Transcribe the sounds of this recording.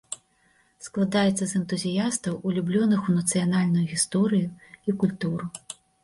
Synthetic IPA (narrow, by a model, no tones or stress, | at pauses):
sklˠad̪ajɛt̪sːɐzɛnt̪uzʲijast̪ɐwulʲublʲɔnɨxunɐt̪sɨjanalʲnujuɣʲist̪ɔɾɨjuikulʲt̪uɾu